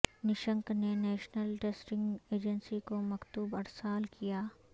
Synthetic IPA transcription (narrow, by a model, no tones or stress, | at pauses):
nɪʃə̃ŋknenɛːʃnəlʈeːsʈɪ̃ŋɡeːd͡ʒənsikomɐkt̪uːbɐɾsaːlkijaː